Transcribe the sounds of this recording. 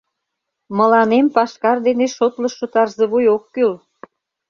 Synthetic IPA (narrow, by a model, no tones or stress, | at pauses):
mə̆lɑnempɑʃkɑrd̪eneʃot̪ləʃːut̪ɑrzeβujokːyl